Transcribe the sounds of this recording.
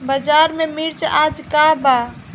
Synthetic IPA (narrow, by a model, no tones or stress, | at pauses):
bəd͡ʒaɾmemiɾt͡ʃad͡ʒkaba